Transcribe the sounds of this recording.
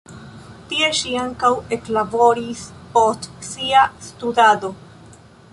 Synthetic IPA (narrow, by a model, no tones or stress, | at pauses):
tie̞ʃiaŋkawe̞klabo̞ɾispo̞stsiastudado̞